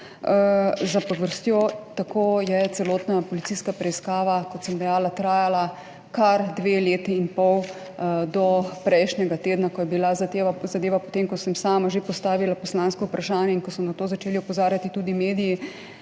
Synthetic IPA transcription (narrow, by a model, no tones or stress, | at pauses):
zapɔʋəɾst̪jot̪akʰoːjɛt̪sɛloːt̪napɔlit̪iːskapɾɛiskaːʋakɔt̪səmd̪ɛjaːlat̪ɾaːjala | kaɾd̪ʋeːleːt̪iinpɔw | d̪ɔpɾɛjʃnʲɛɡat̪eːd̪nakɔjɛbilazazad̪eːʋapɔt̪emkɔsəmsaːmaʒepɔst̪aːʋilapɔslaːnskɔupɾʔaʃaːnjɛinkɔsɔnat̪oːzat͡ʃeːliɔpɔzaːɾjat̪it̪ud̪imeːd̪iji